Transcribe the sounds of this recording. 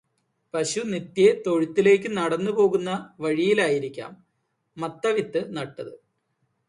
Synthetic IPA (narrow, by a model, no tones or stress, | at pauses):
pɐɕunit̪jet̪o̞ɻit̪ːile̞ːkʲːɨnɐɽɐnːupo̞ːɣunːɐʋɐɻijilaːjiɾikʲːa̰ːmː | ɐt̪ːɐʋit̪ːɨnɐʈːɐðɨ